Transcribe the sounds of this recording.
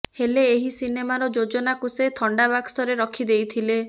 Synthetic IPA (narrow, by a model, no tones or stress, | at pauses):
heleːɦisinemaɾɔd͡ʒod͡ʒɔnakuset̪ʰɔɳɖabaksɔɾeɾɔkʰid̪ejt̪ʰile